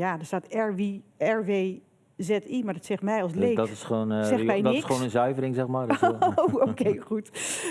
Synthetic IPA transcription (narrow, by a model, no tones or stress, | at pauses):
jadəstaːtɛɹʋiɛɹʋeː | zɛtimaɹdɔtsɛxtmɛjɔlˠs̬lejkdtɪsχoːnsɛmɛjdɪsχəʋonənzœɥvəɾɪŋzɛxmaookejχut